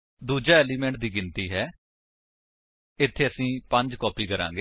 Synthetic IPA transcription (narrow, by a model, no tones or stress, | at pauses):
d̪uːd͡ʒaːɛːliːmɛ̃ːɳʈd̪iːɡɪnt̪iːɦɛː | ɪt̪ʰːeːəsĩːpəɲd͡ʒkɔːpiːkəɾã̰ːŋɡeː